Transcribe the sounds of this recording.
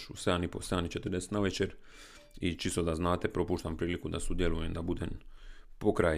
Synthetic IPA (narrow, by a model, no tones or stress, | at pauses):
ʃṵsed̪aniposed̪anit͡ʃet̪ər̩d̪eset̪naʋet͡ʃeɾ | it͡ʃist̪od̪aznaːt̪e̞pɾo̞puːʃt̪ampɾiːlikud̪asud̪jelujemd̪abud̪empo̞kɾa